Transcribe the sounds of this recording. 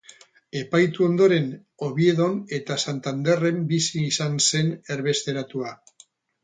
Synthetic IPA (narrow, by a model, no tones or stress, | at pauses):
e̞pajt̪uo̞nd̪o̞ɾe̞n | o̞βie̞ðo̞ne̞t̪asant̪and̪e̞re̞mbisiːsanse̞ne̞ɾβe̞st̪e̞ɾat̪ua